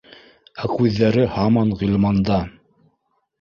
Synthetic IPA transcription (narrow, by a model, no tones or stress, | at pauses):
ækʉðːæɾɘhɑmɑnʁilʲˠmɑnd̪ɑ